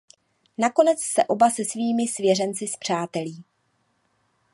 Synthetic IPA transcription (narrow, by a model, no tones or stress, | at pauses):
nako̞nɛt͡ssɛʔo̞basɛsviːmɪsvjɛrɛnt͡sɪspr̝̥aːt̪ɛliː